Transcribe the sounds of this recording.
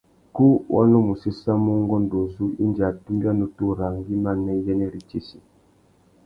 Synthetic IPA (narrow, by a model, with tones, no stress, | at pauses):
ku˦wʔɔ̰˦no˦mu˨si˦sa˦mɔ˦ŋɡɔ˦n˨do˨zu˦ḭ˦nd͡ʒa˨tu˦mba˦nu˨tu˦ɾa˨ŋɡi˦ma˦˨nɛ˦jɛ˦nɛ˦ɾi˨t͡ʃi˦si˨